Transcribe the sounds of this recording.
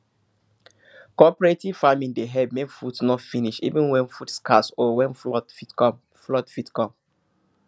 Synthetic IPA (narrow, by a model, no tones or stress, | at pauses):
kɔpɔɹetiv̥famĩŋdeɦɛb̚mẽnfutsnɔtfiniʃḭvĩnwɛ̃nfutskʰasɔwɛ̃nfɔtfitkɔ̃m | flɔtfitkɔ̃m